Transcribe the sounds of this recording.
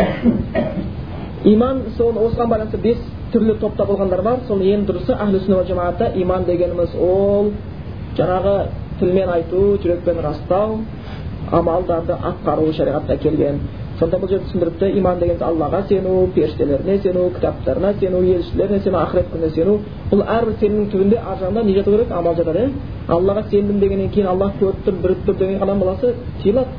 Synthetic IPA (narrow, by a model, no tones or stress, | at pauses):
ijmɑnsowo̞səʁɑnbɑj̪ˠɑnsbe̞s | t̪ʰʏɾlɪt̪ʰo̞p̚t̪ɑbolˠʁɑnd̪ɑɾbɑɾso̞ljend̪ʊɾəsəʔæɦlɪsɪnoælʒɑmɑʁɑt̪ːɑʔijmɑnd̪e̞ɡʲe̞nɪmɪzwolˠ | ʒɑɴɑʁət̪ʰɪlme̞nɑjt̪uʒʏɾe̞k̚pe̞nɾɑst̪ɑw | ɑ̰mɑlˠd̪ɑɾd̪əʔɑt̪̚qɑɾuʃɑɾijʁɑt̪ənɑkʲʰe̞lɡʲe̞n | sonɑnbʊlˠʒed̪ɪsɪnd̪ɪɾɪp̚t̪ɪʔijmɑnd̪e̞ɡʲeneɑlːɑʁɑse̞nupʰe̞ɾst̪ele̞ɾɪnese̞nukʲʰɪ̥t̪ɑp̚t̪ɑ̰ɾənɑse̞nuje̞lʏʃt̪ɪle̞ɾɪnese̞nuɑχɾet̪̚kʰʲʏnnese̞nu | b̥ʊlˠæɾbɪɾse̞nɪmnɪŋt̪ʰʏbɪnd̪e̞ʔɑɾʒɑnənd̪ɑne̞ʒɑt̪uwkʲeɾekɑmɑlˠʒɑt̪ɑɾe | ɑ̰lˠːɑʁɑse̞nd̪ɪmnd̪e̞ɡʲe̞nːe̞ŋkʲʰe̞jɪnɑlˠːɑkʲʰɵɾp̚t̪ʏɾbɪɾ̚t̪ʏɾd̪eŋʲeqʰɑd̪ɑmbɑlˠɑsə | t̪ʰijəlˠɑt̪